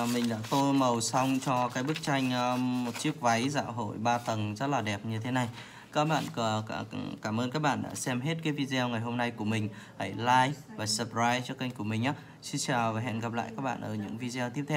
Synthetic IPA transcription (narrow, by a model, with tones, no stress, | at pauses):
mï˨˩ŋ̟ɗa̰ː˧˥t̪o˧mə˨˩wsa˧wŋ͡mt͡ɕɔ˧kaː˨˦jɓɨ˦˥k̚t͡ɕa˧jŋ̟ʔmmo˨˩t̚t͡ɕi˦˥ək̚va˨˦jza̰ː˧˨wɦo̰˧˩˨jɓaː˧t̪ə˨˩nzə˦˥t̚laː˨˩ɗɛ˨˩p̚ɲɨ˧t̪ʰe˨˦na˨˩j | kaː˦˥k̚ɓa̰ː˧˨n˧˩˧kaː˧˩mʔəː˧nkaː˦˥k̚ɓa̰ː˧˨nɗa̰ː˧˥sɛ˧mɦe˦˥t̚kaː˨˦jvi˧zɛ˧wŋa˨˩jɦo˧mna˧jku˧˩əmï˨˩ŋ̟haː˧˩jlaː˧jvaː˨˩sə˨˩p̚zaː˧jt͡ɕɔ˧kə˧jŋ̟ku˧˩əmï˨˩ʔaː˨˦ | si˧nt͡ɕaː˨˩wvaː˨˩ɦɛ̰˧˨nɣa˨˩p̚la̰ː˧˨jkaː˦˥k̚ɓa̰ː˧˨nʔəː˧˩ɲɨ̰˧˥ŋvi˧zɛ˧wt̪ʰi˦˥əp̚t̪ʰːw